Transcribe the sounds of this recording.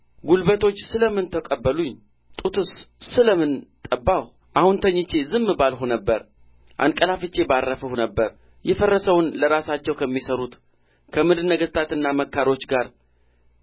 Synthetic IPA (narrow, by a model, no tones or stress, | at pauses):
ɡulbət̪ʰo̞t͡ʃːsɨləmɨnt̪ʰəkʼəbːəluɲ | t̪ʼut̪ʰussɨləmɨnt̪ʼəbːaw | ʔahunt̪ʰəɲːɪt͡ʃːe̞zɨmːɨbalhunəbːəɾ | ʔa̰nkʼəlafɨt͡ʃːe̞barːəfəhunəbːəɾ | jɛfərːəsəwnləɾasat͡ʃːɛwkʰəmːisəɾut̪ | kʰəmɨd̪ɨnəɡəst̪ʰat̪ɨnːaməkːaɾo̞t͡ʃːɡaɾ